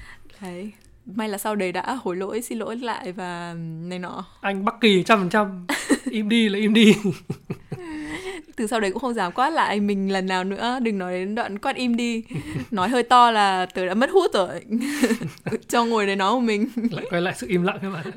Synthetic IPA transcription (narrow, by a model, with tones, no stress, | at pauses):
ə˨˦j | ma˧jlaː˨˩sa˧wɗə˨˩jɗa̰ː˧˥ho˨˧˩jlo̰˧˥jsi˧nlo̰˧˥jlla̰ː˧˨jvaː˨˩na˨˩jnɔ˨˦ʔa˧jŋ̟ɓa˦˥k̚ki˨˩t͡ɕa˧mfə˨˩nt͡ɕa˧mʔi˧mɗi˧laː˨˩ʔi˧mɗi˧ | t̪ɨ˨˩sa˧wɗə˧˩jkʊ̰˧˥xə˧wŋ͡mzaː˨˦mkwaː˦˥la̰ː˧˨jmï˨˩ŋ̟lə˨˩nːaː˨˩wnɨ̰˧˥əɗɨ˨˩ŋnɔ˨˦jɗe˨˦nɗwa̰ː˧˨nkwaː˦˥t̚ʔi˧mɗi˧nɔ˨˦jɦəː˧jt̪ɔ˧laː˨˩t̪əː˨˩jɗa̰ː˧˥mə˦˥t̚hu˦˥t̚əː˨˩j | t͡ɕɔ˧ŋu˨˩əjɗə˨˩jnɔ˨˦jku˧˩mï˨˩ŋ̟la̰ː˧˨jkɔ˧jla̰ː˧˨jsɨ̰˧˨ʔi˧mla̰˧˨ŋka˨˦ɓa̰ː˧˨n